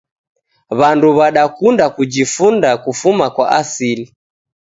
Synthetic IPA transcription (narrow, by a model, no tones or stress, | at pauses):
βanduβaɗakundakud͡ʒifundakufumakwaʔasili